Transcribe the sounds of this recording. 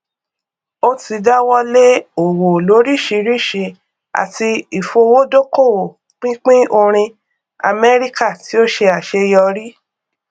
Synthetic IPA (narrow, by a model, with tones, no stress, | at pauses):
o˦ti˧da˦wɔ˦le˦o˨wo˨lo˨˦ɾi˦˨ʃi˧ɾi˦˨ʃe˧ | a̰˨ti˧i˨fo˧wo˦do˦ko˦˨wo˨ | k͡pĩ˦k͡pĩ˦o˧ɾ̃ĩ˧ | a̰˧mɛ˦ɾi˦ka˦˨ti˨˦o˦ʃe˧a˨ʃe˧jɔ˧ɾi˦